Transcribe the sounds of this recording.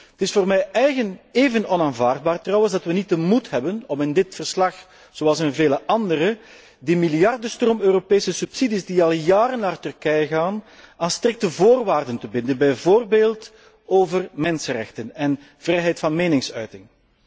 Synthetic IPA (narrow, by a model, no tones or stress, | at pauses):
ətɪsfoːrmɛjʔɛjɣəneːvənɔnaːnvaːrd̚baːrtrɑwənzdɑtʋənit̚dəmutɦɛbənɔmɪndɪtfərslɑx | z̥oɑlˠsɪnveːləʔɑndəɾə | dimɪljɑrdəstroːmøːropeːsəsypsidizdiɑlˠjaːɾənːaːrtʏrkɛjəɣaːn | aːnstrɪk̚təvoːrʋaːrdəntəbɪndənbɛjvoːrbeːlˠt | oːvərmɛnsənrɛ̰xtənɛn | v̥rɛjɦɛjtfɑnmeːnɪŋsœɥtɪŋ